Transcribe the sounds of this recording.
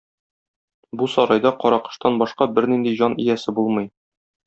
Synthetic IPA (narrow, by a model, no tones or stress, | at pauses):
busɒɾɑjd̪ɑqɒɾɑqɤ̥̆ʃt̪ɑnbɒʃqɑbɘɾnind̪iʑɒnijæsɘbulˠmɤ̆j